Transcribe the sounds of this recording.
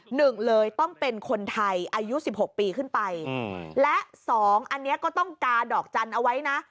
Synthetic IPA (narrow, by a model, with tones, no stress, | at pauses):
nɯ˨˩ŋlɤː˧jt̪ɔ˥˩ŋpe˧nkʰo˧nt̪ʰa˧jʔaː˧ju˦˥si˨˩p̚ho˨˩k̚piː˧kʰɯ˥˩npa˧jlɛ˦˥ʔsɔː˩˦ŋʔa˧nːi˦˥ɐkɔː˥˩t̪ɔ˥˩ŋkaː˧dɔː˨˩k̚t͡ɕa˧nʔa˧wa˦˥jna˦˥ʔ